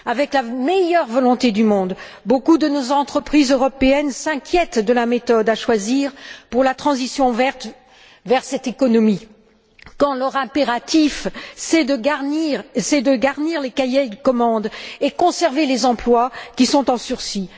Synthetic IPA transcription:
avɛklamejœʁvɔlɔ̃t̪ed̪ymɔ̃d̪ | bokud̪ənozɑ̃t̪χəpχizøʁɔpeɛnsɛ̃kʲjɛt̪d̪əlamet̪ɔd̪aʃwaziʁpuʁlat̪χɑ̃zisjɔ̃vɛʁt̪ | vɛʁsɛt̪ekɔnɔmi | kɑ̃lœʁɛ̃peʁat̪ifsɛd̪əɡaʁniʁsɛd̪əɡaʁniʁlekajed̪əkɔmɑ̃d̪ekɔ̃sɛʁvelezɑ̃plwakʲisɔ̃t̪ɑ̃syʁsi

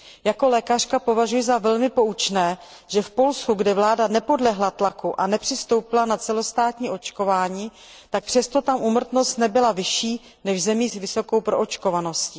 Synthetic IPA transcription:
jako̞lɛːkar̥kapo̞vaʒujɪzavɛlmɪpo̞ut͡ʃnɛː | ʒ̥ɛfpo̞lskuɡdɪvlaːdanɛpo̞dlɛɦlat̪lakuʔanɛpr̝̥ɪst̪o̞wpɪlanat͡sɛlo̞st̪aːt̪ɲiːʔo̞t͡ʃko̞vaːɲiː | t̪ak̚pr̥ɛst̪o̞t̪amʔumr̩t̪no̞st̪nɛbɪlavɪʃiː | nɛʒzɛmiːsvɪso̞ko̞wpɾo̞ʔot͡ʃko̞vano̞sci

